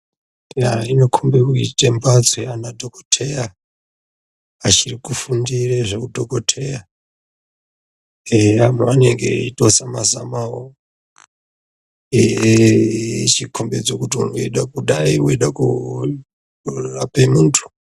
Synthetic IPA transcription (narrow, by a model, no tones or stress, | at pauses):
jainokʰombekuitembat͡sweanadʱo̞ko̥tʰeja | at͡ʃirikufundireʐekudʱokotʰe̞ja | eamoane̞ŋɡḛito̞samaza̰mao | e | t͡ʃikʰombed͡zokutiunoeɗakuɗaiwoeɗaku | rapemuːntʰu̥